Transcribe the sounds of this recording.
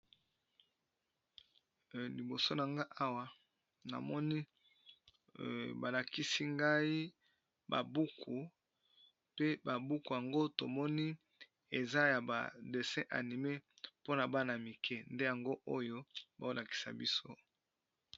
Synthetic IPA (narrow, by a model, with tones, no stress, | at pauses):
li˨bo˨so˦na˨ŋɡa˦ʔa˦wa˨ | na̰˨mɔ˦ni˦ | ba˨la˨ki˦si˦ŋɡa˦i˦ | ba̰˨bu˦kʰu˨ | pe˦ba˨bu˦ku˨ja˨ŋɡo˦to˨mɔ˦ni˦ | e˨za˦ja˨ba̰˨de˨sɛ̃˦ʔa̰˨ni˨me˦po˦na˨ba˦na˨mi˨kʰɛ˦nde˦ja˨ŋɡo˦ʔo˦jo˦ba˨o˦la˨ki̥˨sa̰˨bi˦so˦